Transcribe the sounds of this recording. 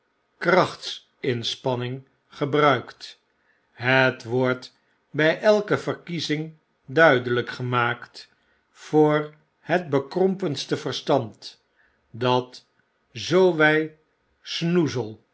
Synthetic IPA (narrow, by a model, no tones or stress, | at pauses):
krɑχts | ɪnspɑnɪŋ | χəbrœɥkt | ɦətʋɔɹt | bɛjʔɛlˠkəvəɹkizɪŋ | dœɥdələkχəmaːkt | fʊːɹ | hət̚bəkrɔmpənstəvərstɑnt | dɑt | zowʋɛj | snuzəlˠ